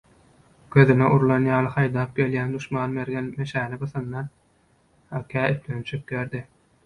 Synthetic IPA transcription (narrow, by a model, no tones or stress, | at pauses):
ɡ̥øðyneʔuɾlˠɑnjɑːlˠɯχɑjd̪ɑːp̚ɡʲe̞ljæːnd̪uʃmɑːnmeɾɡenmeʃæːnibɯθɑnːɑn | ɑkʲʰæːip̪lønt͡ʃʰyk̚ɡeɾd̪i